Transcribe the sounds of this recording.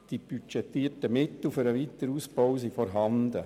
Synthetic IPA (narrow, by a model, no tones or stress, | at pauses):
d̥ib̥yt͡ʃɛt̪ːiətəmɪt̪l̩fʏɾəʋit̪ːəɾuːsb̥ɔwsifɔɾɦɑnd̪ə